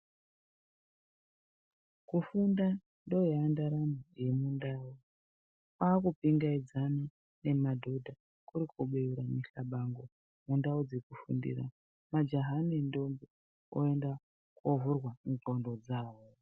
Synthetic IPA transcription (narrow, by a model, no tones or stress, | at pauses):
kufunda | ndojandaɾamoje̞mundaːo | kwaːkupiŋɡaid͡zana | ne̞madʱo̞dʱa | kuɾikʰuɓeuɾamiɬaɓaŋɡo | mundaud͡zekufṵndḭɾa̰ | mad͡ʒoɦanindo̞mbe | o̰e̞nda | kovurwamukondod͡zaːwo